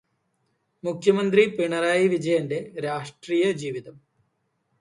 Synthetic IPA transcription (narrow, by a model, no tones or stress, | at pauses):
mukʰjɐmɐnd̪ripiɳɐɾaːjiʋid͡ʑɐjɐnde̞ɾaːʂʈriːjɐd͡ʑiːʋiðɐm